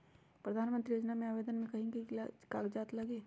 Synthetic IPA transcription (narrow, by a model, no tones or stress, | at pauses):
pɾɐd̪ʱaːnmə̃nt̪ɾijoːd͡ʒnamẽaːʋeːd̪ənmẽkɐɦĩkikaːɡd͡ʒaːt̪lɐɡeː